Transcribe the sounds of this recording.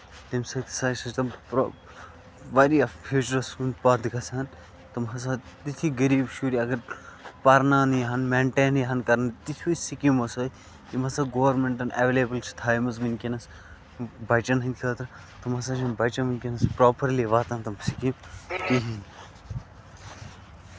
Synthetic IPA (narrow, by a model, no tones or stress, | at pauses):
t̪imsɐt̪ʰi̥saːɐt̪ɐmpɾ | ʋɐɾiɐfʰjuːt͡ʃɐɾɐsunpɐɾd̪kɐsʰaːn | t̪ɐmɦɐsat̪it̪ʰiɡɐɾiːbʃuːɾiɐɡɐɾpɐɾnaːnjɐɦɐnmẽːɳʈeːnjɐɦɐnkɐɾnɐt̪it̪ʰusikimɐsoː | kimɐsaːɡoːʋɾmẽɳʈɐneʋeːleːbəlt͡ʃʰi̥t̪ʰaːjmɐzminkʲinɐs | bɐt͡ʃɐnɦɐnt̪ʲʰɐt̪ɾ | t̪ɐmɐsaːt͡ʃʰɐnbɐt͡ʃɐ̃minkʲinɐspɾoːpɐɾliʋaːt̪ãːnt̪ɐmsikĩmt̪iɦin